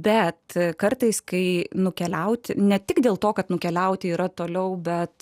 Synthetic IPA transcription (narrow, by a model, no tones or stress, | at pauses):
bʲɛt̪kɐrt̪ɐɪskɐɪnʊkʲɛlʲɛʊt̪ʲɪnʲɛt̪ʲɪɡd̪ʲeːlˠt̪oːkɐt̪nʊkʲɛlʲɛʊt̪ʲɪiːɾɐt̪oːlʲɛʊbʲɛt̪